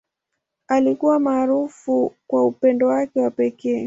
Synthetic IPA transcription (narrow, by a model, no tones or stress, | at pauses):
alikuwamaːɾufukwaupɛndɔwakɛwapɛkɛː